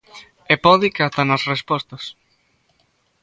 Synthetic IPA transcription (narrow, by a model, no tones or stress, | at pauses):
epɔðikat̪anɐsrespɔst̪as